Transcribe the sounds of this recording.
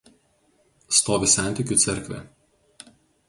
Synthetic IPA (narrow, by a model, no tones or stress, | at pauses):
st̪oːʋʲɪsʲæˑnʲt̪ʲɪˑkʲuːˑt̪sʲɛɾʲkʋʲɛ̰